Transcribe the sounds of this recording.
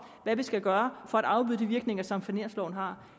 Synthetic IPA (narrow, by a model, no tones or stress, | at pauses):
ʋæʋisɡ̥æɡ̥ɶːɐfɒ̽æɾ̥ɑ̈ʊb̥yð̰ˠd̥iʋiɐɡ̥ne̝ŋɐsɒ̽mfæne̝ɐslɒʊ̰n̩ɦɑ̈